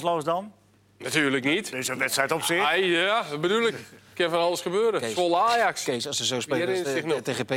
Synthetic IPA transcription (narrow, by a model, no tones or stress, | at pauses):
sloːsdɔn | natyːrləknitɪsəʋɛtsɛjtɔpsɪɛjabədulˠəkkɪnfɔnɑlˠəsχəbøːɾəfolˠaːjaksɔsəzowspeɪnɪxnoteepe